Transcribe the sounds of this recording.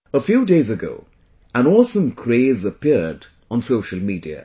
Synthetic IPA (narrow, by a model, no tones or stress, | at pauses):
əfjudeɪzɨɡo̰ʊ | ə̃nɔsə̃mkʰɹ̥eɪzəpʰɪɹd | n̩soʊʃəl̩ˠmidḭɨ̰